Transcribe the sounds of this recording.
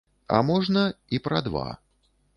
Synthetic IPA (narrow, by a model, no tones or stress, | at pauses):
a̰mɔʐnɐipɾɐd̪va̰